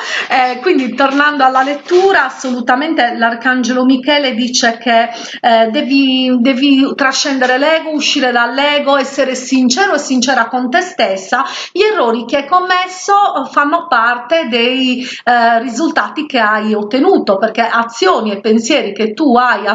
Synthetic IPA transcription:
ɛkwind̪it̪ornand̪oalːalet̪ːuːɾaːsːolut̪amɛnt̪elarkand͡ʒelomikɛːled̪iːt͡ʃekʰe | d̪ɛvid̪ɛːvit̪ɾaʃːɛnd̪ɛɾelɛːɡouʃːiːɾɛd̪alːɛːɣɔɛsːɛɾesint͡ʃɛːɾoɛsːint͡ʃɛːɾakont̪ɛst̪ɛsːaʎɛrːoːɾik̟eɛkːomːɛsːofanːopart̪ed̪ej | rizult̪aːt̪ikeajot̪ːenuːt̪operkɛʔat̪sːjoːniɛpːensjɛːɾiket̪ːuaja

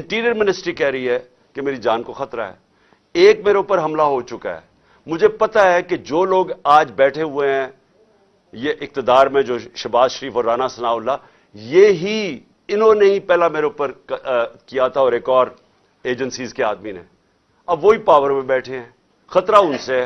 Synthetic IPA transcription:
ɪ̃ɳʈiːɾijəɾmɪnɪsʈɾikɛɦɾɐɦiɦɛ | kemeːɾid͡ʒaːnkoxɐt̪ɾa̰ɦɛ̰ː | eːkmeːɾeʊpəɾɦɐmlaɦot͡ʃʊka̰ɦɛ̰ː | mʊd͡ʒʱepɐt̪aɦɛked͡ʒoːloːɡaːd͡ʒbɛːʈʰeɦʊeɦɛ̃ | jeʔɪk̚t̪ɪd̪aːɾmẽd͡ʒoːʃɐbaːzʃəɾiːfɔːɾːaːnasɐnaːʊlːa | jeɦi | ɪnɦõneĩpɛːlameːɾeʊpəɾ | kijat̪ʰaɔːɾeːkɔːɾ | eːd͡ʒə̃nsiːzkeaːd̪minḛ̃ | ɐbʋoɦipaːʋəɾmẽbɛːʈʰeɦɛ̃ː | xɐt̪ɾaʊ̃nseɛ

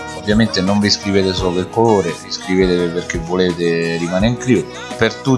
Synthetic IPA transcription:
ovːjament̪enoɱviskɾiveːt̪esoːlelkoloːɾeviskɾiveːt̪eperk̟evːoleːt̪ɪrimaːneiŋkɾi | pert̪u

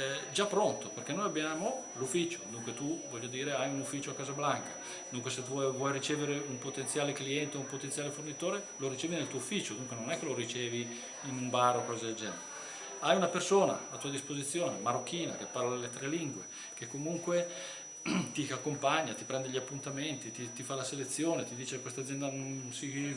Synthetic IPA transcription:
d͡ʒapːɾont̪operkenːoːjabjaːmo | lufːit͡ʃo̥d̪uŋkwet̪uvɔʎːod̪iːɾeajunufːiːt͡ʃoakːaːzablaŋkḁ | d̪uŋkweset̪uɔjvwɔjrit͡ʃɛːveɾeumpot̪ẽnt̪sjaːlekliɛnt̪eumpot̪ent̪jaːlefornit̪oːɾe | loɾit͡ʃɛːvinelt̪uːoufːit͡ʃod̪uŋkwenonɛkːeloɾit͡ʃɛːvi | inumbaɾokɔːzed̪eld͡ʒɛnḛɾe | ajunapersoːna̰at̪uːad̪ispozit̪sːjoːnemaɾokʰːiːna̰kepːarlad̪elːet̪ɾɛliŋɡwe | kekːomuŋkwe | t̪iakːompaɲːat̪ipɾɛnd̪eʎːiapːunt̪ament̪it̪it̪ifalaselet̪sːjoːnet̪id̪iːt͡ʃeekːwest̪ad̪zːjɛnd̪anonsi

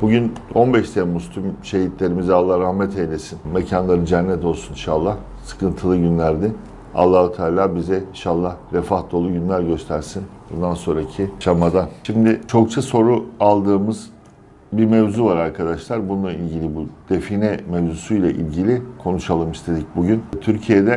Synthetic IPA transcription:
b̥uɟyno̞nbɛʃt̪ʰemust̪ʰymʃe̞ɦit̪lʲe̞ɾimizalˠːahɾahmɛt̪ʰejlʲesinmecʰanlˠaɾɯd͡ʒænːɛt̪ʰo̞lˠsuniʃalˠːah | sɯ̥kɯnt̪ʰɯlˠɯɟynlʲæɾd̪ɪ | a̰lˠːahut̪ʰaːlʲaːbizɛinʃalˠːahɾefahd̪o̞lˠuɟynlʲæɾɟø̞st̪ʰæɾsinbund̪anso̞nɾacʰiʃamad̪aʃimd̪ɪt͡ʃʰo̞k̚t͡ʃʰaso̞ɾualˠd̪ɯːmɯz̥ | biɾmevzuvaɾaɾkʰad̪aʃlˠaɾbununˠailʲɟilʲibud̪̥e̞finɛmevzusujlʲˠaʔḭlʲɟilʲikʰo̞nuʃalˠɯmist̪ʰe̞d̪ic̚buɟynt̪ʰyɾcʰijed̪ɛ

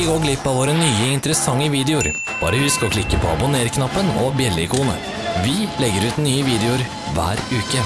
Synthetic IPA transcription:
ɪɡoːɡlɪpːɑʋoːɾənyːəɪnt̪əɾəsɑŋːəʋiːd̪ɛʊɾ | b̥ɑ̰ːɾəhʉskɔkʰlɪkːəpʰɔɑbʊneːɾkʰnɑpːənɔ̰bjɛlɪkʰuːnə | ʋɪlɛɡːəɾʉːt̪nyːəʋiːd̪ɛʊɾ | ʋæ̰ːɾʉːkə

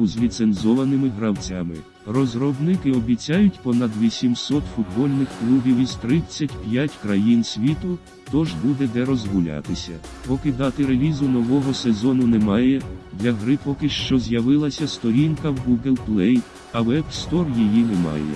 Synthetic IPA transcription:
ʊzlʲit̪senzɔʋɐnɪmɪɦɾɐwt͡sʲamɪ | rɔzɾɔbnɪkɪɔbʲit͡sʲajʊtʲpɔnɐd̪ʋʲisʲimsɔt̪fʊd̪bɔlʲnɪxklʲˠubʲiwiz̥t̪ɾɪt͡sʲːɐtʲpʲjatʲkɾɐjinsʲʋʲit̪ʊ | t̪ɔʒbud̪ɛd̪ɛɾɔzɦʊlʲa̰t̪ɪsʲɐ | pɔkɪd̪ɑt̪ɪɾelʲizʊnɔʋɔɦɔsezɔnʊnɛmɑjɛd̪lʲɐɦɾɪpɔkɪʃt͡ʃɔzʲjɐʋɪlˠɐsʲɐst̪ɔɾʲinkɐwɡuɡelˠplˠɛj | ɐwɛbst̪ɔrjijinɛmɑ̰jɛ̰

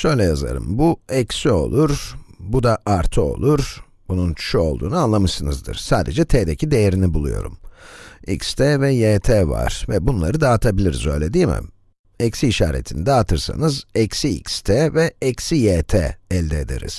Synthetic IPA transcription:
ʃø̞jlʲɛjaza̰ɾɯ̰mbuɛcsio̞̰lˠuɾbud̪aʔaɾt̪ʰɯo̞̰lˠuɾ | b̥ununt͡ʃʰu̥ʃuo̞lˠd̪uːnuanlˠamɯʃsɯnɯzd̪ɯ̰ɾ̥saːd̪e̞d͡ʒɛt̪ʰeːd̪ecʰid̪e̞jeɾinibulˠṵjo̞̰ɾṵm | ḭcst̪ʰɛːvɛjeːt̪ʰeːva̰ɾ̥vɛbunlˠa̰ɾɯd̪aːt̪ʰabilʲiɾizø̞̰jlʲɛd̪iːmɛ̰m | ɛcsiːʃaːɾḛt̪ʰinid̪ɛat̪ʰɯɾsa̰nɯzɛcsiḭcst̪ʰɛːvɛɛcsijeːt̪ʰɛ̰ːɛlʲd̪eːd̪ḛɾḭz̥

